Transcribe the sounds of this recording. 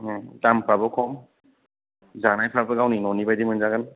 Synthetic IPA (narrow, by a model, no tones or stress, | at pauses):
zampʰɾabɯkʰɔm | zanajpʰɾabɯɡawninɔnibajdimɯnzaɡan